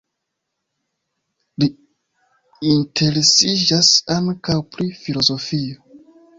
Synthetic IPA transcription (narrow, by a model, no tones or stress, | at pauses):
li | intʰe̞ɾesid͡ʒasaŋkawpɾifilo̞zo̞fio